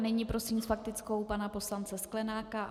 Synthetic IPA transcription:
nɛɲɪpɾo̞simsfak̚t̪ɪt͡sko̞wpanapo̞slant͡sɛsklɛnaːka

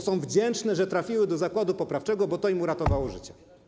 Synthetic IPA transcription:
sɔ̃w̃vd͡ʑɛnt͡ʂnɛʐɛt̪ɾafʲiwɘd̪ɔzakwad̪upɔpɾaft͡ʂɛɡɔbɔt̪ɔimuɾat̪ɔvawɔʐɘ̰t͡ɕɛ

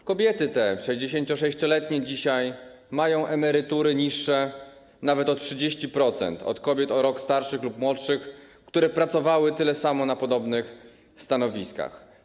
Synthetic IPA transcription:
kɔbʲjɛt̪ɘt̪ɛfʂɛjʑd͡ʑeɕeɲt͡ɕɔʂɛɕt͡ɕɔlɛt̪ɲɛd͡ʑiɕaj | majɔ̃w̃ʔɛmɛɾɘt̪uɾɘɲiʂːɛ | navɛt̪ɔtʂɘd͡ʑeɕt͡ɕipɾɔt̪sɛ̰nt̪ɔ̰t̪kɔbʲjɛt̪ɔɾɔkst̪aɾʂɘxlupmwɔt̪ʂɘxkt̪uɾɛpɾat̪sɔvawɘt̪ɘlɛsamɔnapɔd̪ɔbnɘx | st̪anɔvʲiska̰x

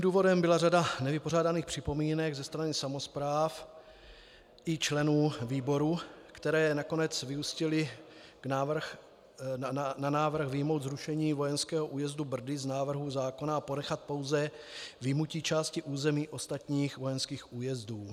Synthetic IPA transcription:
imduːvo̞dɛmbɪlaradanɛvɪpo̞r̝aːdaniːxpr̝̥ɪpo̞miːnɛɡzɛst̪ɾanɪsamo̞spɾaːf | ʔɪt͡ʃlɛnuːviːbo̞ɾukt̪ɛɾɛːɛnako̞nɛt͡svɪuscɪlɪnaːvr̩x | nanaːvr̩xvɪjmo̞wd̪zɾuʃɛɲiːvo̞jɛnskɛːɦoʔuːjɛzdubr̩dɪznaːvr̩ɦuzaːko̞naːpo̞nɛxat̪̚po̞wzɛ | vɪmucit͡ʃaːscɪʔuːzɛmiːʔo̞st̪at̪ɲiːxvo̞jɛnskiːxʔuːjɛzduː

